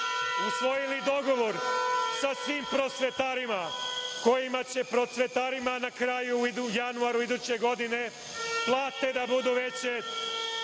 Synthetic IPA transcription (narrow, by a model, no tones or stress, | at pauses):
usʋo̞jilid̪o̞ɡo̞ʋo̞ɾsasʋiːmpɾo̞t̪sʋet̪aɾimako̞jimat͡ɕe̞pɾo̞t̪sʋet̪aːɾimanakɾajuijanuaɾuid̪uːt͡ɕeɡo̞d̪ine̞ | plˠaːt̪e̞d̪abud̪uʋe̞t͡ɕe